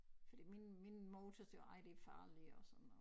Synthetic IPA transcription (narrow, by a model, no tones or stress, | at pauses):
fɒd̥ḭːminminmoʊt͡sʰɒsjoɑ̈ɪd̥e̝fɑ̈ːliɒsɒ̽nn̩ɔ